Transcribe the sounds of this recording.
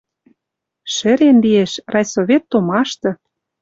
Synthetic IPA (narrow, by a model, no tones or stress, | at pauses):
ʃɘ̆ɾenlieʃrɑjsoβʲet̪ːomɑʃt̪ɤ̆